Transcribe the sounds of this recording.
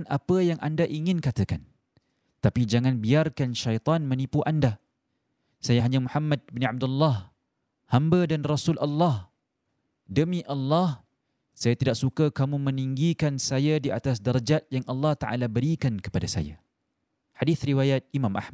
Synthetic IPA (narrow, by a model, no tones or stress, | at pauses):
nʔapəjaŋʔandaʔiŋɪnkat̪əkan | t̪apid͡ʒaŋãnbiarkanʃajt̪ˤɑnmə̃nipuʔanda | sajaɦaɲamuħamːad̚bəniʕab̚dulːɑh | hambədanrasulʔalːɑh | dəmĩʔalːɑh | sajat̪idaʔsukakamũmə̃niŋɡikansajadiat̪as̬daɾad͡ʒat̪̚jaŋʔalːɑht̪aʔa̰labəɾikankə̥padasa̰ja̰ | hadiθɾiwajat̪̚imãmʔa̰hma